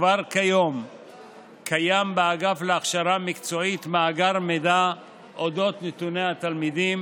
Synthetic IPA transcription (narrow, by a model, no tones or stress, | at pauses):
vaʁkajo̞m | kʰajambeaɡafleaχʃaɾamikt͡so̞it̪maːɡaɾmed̪a | ʔod̪o̞t̪net̪uneat̪almid̪im